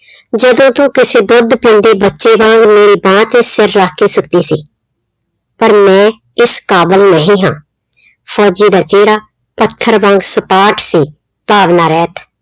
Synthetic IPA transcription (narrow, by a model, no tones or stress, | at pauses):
d͡ʒəd̪õːt̪ũːkɪseːd̪ʊd̪pĩːnd̪iːbətːʃeːbãːŋɡmeːɾiːbãːt̪eːsɪɾːaːkʰiːsʊt̪ːiːsiː | pəɾmɛ̃ː | ɪskaːbəlnəɦĩːɦã̰ː | pʰɔːd͡ʒiːd̪aːt͡ʃeːɾaː | pət̪ʰːəɾbãːŋɡsəpaːʈsiː | paːʋnaːɾɛːt̪ʰ